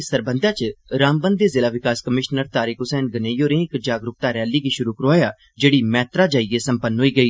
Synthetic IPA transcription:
səɾbənd̪aːt͡ʃɾaːmbənd̪eːzɪlaːʋɪkaːskəmɪʃnəɾt̪aːɾɪkɦʊsɛːnɡəneːjoːɾẽːɪkd͡ʒaːɡɾʊk̚t̪aːɾɛːliːɡiːʃʊɾuːkəɾaːjaː | d͡ʒeːɽiːmɛːt̪ɾaːd͡ʒaːiːeːsəmpənɦoːiːɡəiː

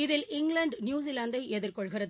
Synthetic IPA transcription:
ɪðɪlɪŋɡɭɐɳɖnjuːs̬ilaːnd̪ɐɪʔɛðɪrkɔɭɣɪrɐð

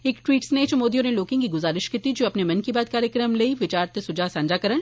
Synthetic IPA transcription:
eːkʈʋiːʈsnet͡ʃmoːd̪ijõneloːkɪ̃ŋkiɡʊzaːɾɪʃkit̪id͡ʒoːɐpnemɐnkibaːd̪̚kaːɾjəkɾəmleiʋɪt͡ʃaːɾt̪esʊd͡ʒaːsãːnd͡ʒaːkɐɾəɽ

